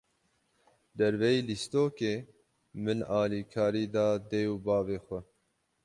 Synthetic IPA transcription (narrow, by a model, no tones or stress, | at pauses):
d̪ɛɾvɛiːlist̪oːkeː | mɨnɑːliːkʰɑːɾiːd̪ɑːd̪euːbɑːveːxʷɛ